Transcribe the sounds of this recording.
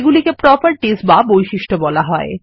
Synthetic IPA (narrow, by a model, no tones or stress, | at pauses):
ɡulikepɾɔpaɾʈisbabojʃiʃʈʰobɔlaɦɔe